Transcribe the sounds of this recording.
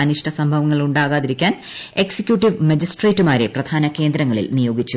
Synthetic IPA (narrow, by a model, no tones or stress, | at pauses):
ɐniʂʈʰɐsɐmbʱɐʋɐŋːɐɭuɳɖaːɣaːðiɾikʲːaːn | e̞ksekʲjuʈːiʋmɐd͡ʑisʈre̞ːtːumaːɾe̞prɐd̪̥ʱaːnɐke̞ːnd̪ɾɐŋːɐɭḭlnijo̞ːɡit͡ɕːu